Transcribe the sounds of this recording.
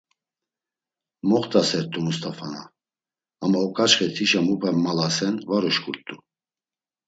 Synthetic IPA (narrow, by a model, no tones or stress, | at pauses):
mɔχt̪ʰʼasɛɾt̪ʼumust̪ʼafana̰ː | maɔkʼat͡ʃχɛt̪ʰiʃamupʰɛmːalasɛnvaɾɔʃkʰʼuɾt̪ʼu